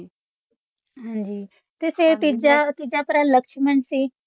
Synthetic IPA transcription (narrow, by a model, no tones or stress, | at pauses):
ɦãɲd͡ʑiː | t̪eset̪id͡ʑat̪id͡ʑapɾanləkʃmənse